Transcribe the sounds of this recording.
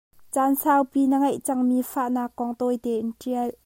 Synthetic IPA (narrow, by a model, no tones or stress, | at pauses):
t͡saːnsaːwpinəŋɐjʔt͡saŋmiːfaʔnaːkːɔŋt̪ɔjt̪ɛːʔnʈ͡ʂiəl